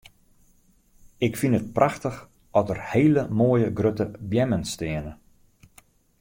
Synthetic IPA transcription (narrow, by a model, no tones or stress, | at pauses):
ɪkfinət̚prʔaxtəx | ʔɔtərheːləmoːəjəɡrøtəbjɛmənstɪənə